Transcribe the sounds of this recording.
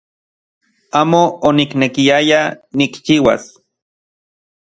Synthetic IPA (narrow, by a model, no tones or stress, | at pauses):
aːmooniknekiajanikt͡ʃiwa̰s